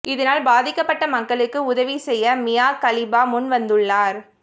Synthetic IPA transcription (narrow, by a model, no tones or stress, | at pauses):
ɪðɐnaːlbaːðɪkːɐpːɐʈːɐmɐkːɐɭɯkːɯʊðɐʋisɛjːɐmɪjaːkɐlɪbaːmʊnʋɐnd̪ɯɭːaːɾ